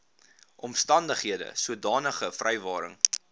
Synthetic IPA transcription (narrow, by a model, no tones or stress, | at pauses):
ʔɔmstɐndəχɦiədə̰suədɑːnəχəfrʔɛjvɑːɾə̰ŋ